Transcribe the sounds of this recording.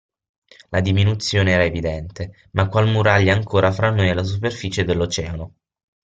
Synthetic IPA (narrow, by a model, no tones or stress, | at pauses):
lad̪iminut̪sːjoːneɛːɾaevid̪ɛnt̪e | makːwalmuɾaʎːaaŋkʰoːɾafɾanːojalas̬uperfit͡ʃed̪elːot͡ʃɛːano